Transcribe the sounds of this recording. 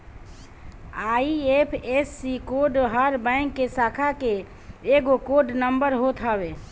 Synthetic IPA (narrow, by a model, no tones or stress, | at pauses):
aiepʰesːikoɖɦəɾbə̃ɪ̃ŋkːesakʰake | eɡokoɖnəmbəɾɦot̪ʰɦabe